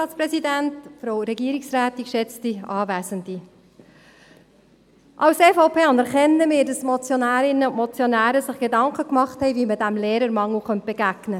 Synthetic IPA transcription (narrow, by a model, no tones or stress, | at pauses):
ɑːtt͡spɾɛsidæntfɾowɾɛɡiəɾiksɾæːtikʃɛt͡stiɑːvæːsəndi | ʔɑwsefoʊpʰeːɑndəɾχɛnːəmɪːɾdɑsmɔt͡sjɔnæːɾɪnːəʊntmɔt͡sjonæːɾəsɪχɡ̥edɑŋkəkmɑχthɛɪviməd̥æmleːɾəɾmɑŋlχœnt̚b̥eɡæɡ̥nə